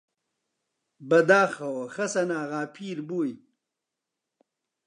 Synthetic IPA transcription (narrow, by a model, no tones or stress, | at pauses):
bɐd̪aːxɐwxɐsɐnaːɣaːpʰiːɾbuj